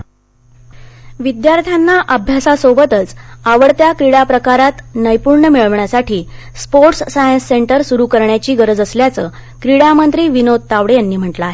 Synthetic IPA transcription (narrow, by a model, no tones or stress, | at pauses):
ʋid̪jaɾt̪ʰjanːaʔəbʱjasasobət̪ət͡saʋəɽt̪jakɾiɽapɾəkaɾat̪nəjpuɾɳəmiɭəʋɳjasaʈʰiː | spoɾʈssajənsːeɳʈəɾsuɾukəɾɳjat͡ɕiːɡəɾəd͡zəsljat͡səːkɾiɽamənt̪ɾiːʋinod̪̚t̪aʋɽejanːiːm̤əʈlaaːɦe